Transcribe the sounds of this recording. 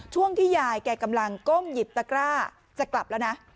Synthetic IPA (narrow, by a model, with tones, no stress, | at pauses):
t͡ɕʰu˥˩əŋt̪ʰiː˥˩jaː˧jkɛː˨˩ka˧mla˧ŋko˥˩mji˨˩p̚t̪a˧˥kɾaː˥˩ | t͡ɕa˨˩kla˨˩p̚lɛ˦˥wna˦˥